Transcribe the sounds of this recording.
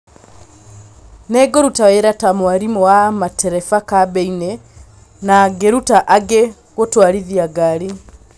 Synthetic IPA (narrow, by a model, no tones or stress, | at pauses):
nɛɡoɾutaweɾatamwaɾimɔwamatɛɾɛfakabɛine | naɡeɾutaʔaɡe | ɣotwaɾiðiaɡaɾi